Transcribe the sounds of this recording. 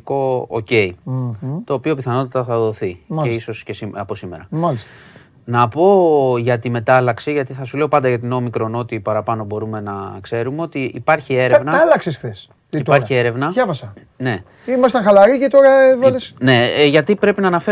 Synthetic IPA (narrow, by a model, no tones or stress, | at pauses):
ko̞o̰ce̞i | t̪o̞ːpio̞piθɐno̞t̪it̪ɐθɐðo̞θiɐeiso̞scesiɐpo̞sime̞ɾɐmɐlist̪ | nɐpo̞ʝɐt̪ime̞t̪ɐlɐksiʝɐt̪iθɐsule̞o̞pɐnd̪ɐʝɐt̪ino̞mikɾo̞no̞t̪ipɐɾɐpɐno̞bo̞ɾume̞nɐkse̞ɾume̞o̞t̪iipɐɾçie̞ɾevnɐɐlɐksesθes | it̪pɐɾçie̞ɾe̞vnɐɐvɐsɐ | ne̞ | imɐst̪ɐ̃ŋxɐlɐɾicet̪o̞ɾɐevɐlesne̞ʝɐt̪ipɾe̞pinɐːnɐfe